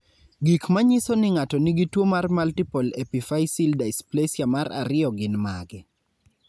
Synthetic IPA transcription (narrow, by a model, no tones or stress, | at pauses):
ɡikmaɲɪsonɪŋatɔniɡitwomarmaltipolepifajsildaɪsplesjamaɾa̰ɾɪɔɡɪnmaɡɛ